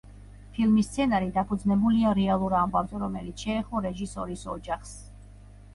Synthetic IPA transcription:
pʰilˠmist̪sʰɛnaɾid̪apʰud̪znɛbuliaɾɛalˠuɾambavzɛɾɔmɛlit̪sʰʃɛːχɔɾɛʒisɔɾisɔd͡ʒaχs

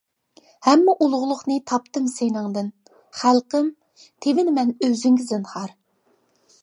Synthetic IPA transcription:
hɛmːɛʔulˠʁʊlˠʊχnɨt̪ʰɑpt̪ɨmsenɨŋd̪ɨn | χælˠqəm | t̪ʰevɪnɪmɛnøzyŋɡʲɪzɨnhɑɾ

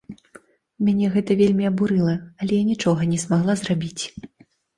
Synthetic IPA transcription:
mʲanʲɛɣɛt̪ɐvʲelʲmʲiabuɾɨlˠɐɐlʲɛjanʲit͡ʂɔɣɐnʲɛzmaɣlˠazrabʲit͡sʲ

